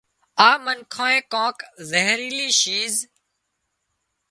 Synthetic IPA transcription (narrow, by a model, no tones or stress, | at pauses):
aːmənkʰõːẽːkõːkzeɦɾiːliːʃiːz